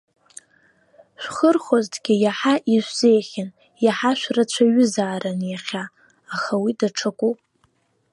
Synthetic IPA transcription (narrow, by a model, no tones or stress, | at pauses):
ʃʷᶣχərχoztʰʼɡʲɪjaħaʔiʒʷz̥ejχʲɪn | jaħaʃʷᶣrat͡ɕʷʰaɥʏzaːɾanjaχʲaː | χawidaʈ͡ʂʰakʷʼu